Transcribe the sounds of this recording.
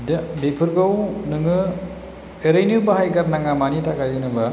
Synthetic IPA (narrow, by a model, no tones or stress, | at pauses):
dbipʰɯɾɡɯwnɯŋɯ | eɾajnɯbahajɡaɾnaŋamanitʰakajɯnɯba